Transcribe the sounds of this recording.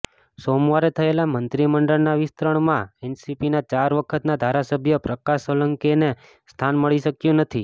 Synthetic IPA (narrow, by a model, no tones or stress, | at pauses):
somʋaɾet̪ʰəelamənt̪ɾiməɳɖəɭnaʋist̪ɾəɳ̃mãɛnsipinat͡ʃaɾʋəkʰət̪nad̪ʱaɾasəbʱjəpɾəkaʃələŋkene | st̪ʰanməɭiʃəkjũnət̪ʰi